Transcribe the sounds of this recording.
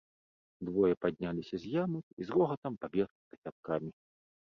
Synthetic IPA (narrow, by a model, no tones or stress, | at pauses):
d̪vɔjɛpad̪̚ʲnʲalʲisʲɐzʲjamɐkizrɔɣɐt̪ɐmpabʲɛt̪k̪ɐsʲat̪̚kamʲi